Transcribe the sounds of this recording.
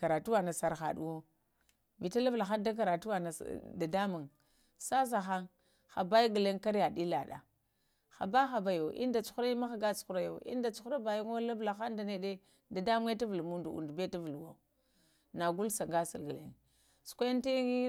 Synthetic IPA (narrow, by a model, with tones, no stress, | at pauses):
ka˨ɾa˨tu˦wa˨na˨sa˨ɾxa̰˨ɗṵ˦wo˦ | vi˨ta˦la˦vla˨xa˦nda˦k̬a˨ɾa˨tu˦wa˨na̰˨da˨da˦mu˨ŋ | sa˦s̬a˨xa˦ŋ | xa˨ba˦jɡə˨le˦ŋka˦ɾja˨di˦la˨ɗa̰˨ | xa̰˨ba˦xa˨ba˦jo˨ʔḭ˦n˦da˨t͡ʃu̥˦xu˦ɾa˦ma˦xa˨ɡa˦t͡ʃu̥˦xu˦ɾa˨jo̰˨ḭ˦n˦da˨t͡ʃu̥˦xu˦ɾa˦ba˨ju˦ŋo˦la˦vla˨xa˦nda˨ne˨de˦ | da˨da˦mu˦ŋe˦ta˦vu˨lmu˦ndu˨ṵ˨ndbe˦ta˦vu˨lwo̰˦˨ | na˨ɡu˦lsa˨ŋɡa˦si˨ɾɡə˨lḛ˦ŋ | su̥˨kʷa˦n˦ti˦i˦